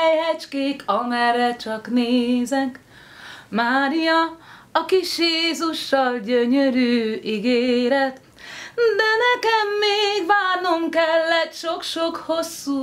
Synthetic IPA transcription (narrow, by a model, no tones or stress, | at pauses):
ɛjɦɛt͡ʃkeːkʰɒmɛrːɛt͡ʃɒkneːzɛk | maːɾijɒɒkiʃjeːzuʃːɒlɟøɲøɾyːiɡeːɾɛt̪ | d̪ɛnɛkɛmːeːɡbaːno̞mkɛlːɛt̪ʃo̞kʃo̞kho̞sːu